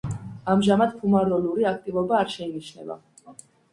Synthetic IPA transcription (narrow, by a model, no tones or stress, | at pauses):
amʒamad̪̚pʰumaɾɔluɾiak̚ʰt̪ʼivɔbaːɾʃɛiniʃnɛ̰va̰